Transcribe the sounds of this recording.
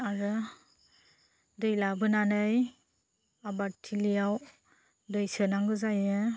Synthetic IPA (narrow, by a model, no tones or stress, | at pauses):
aɾɯ | dɯjlabɯnanɯj | abatʰilijaw | dɯjsɯnaŋɡɯzajɯ